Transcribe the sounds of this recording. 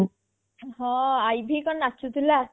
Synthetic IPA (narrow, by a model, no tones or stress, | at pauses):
ɦɔ̃ajbʱikɔnat͡ʃʰut̪ʰila